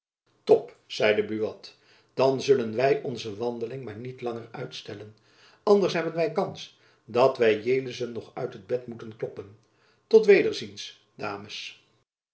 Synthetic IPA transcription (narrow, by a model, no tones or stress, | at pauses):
tɔp | z̥ɛjdəbyʋɑt | d̥ɑnzɵlənʋɛjʔɔnzəʋɑndəlɪŋmaːɹnitlɑŋərœɥtstɛlən | ɑndəɹsɦɛbənʋɛjkɑns | dɑtʋɛjjejləzənːɔχœɥtɦəd̚bɛtmutənklɔpən | tɔtʋejdəɹzins | d̥aːməs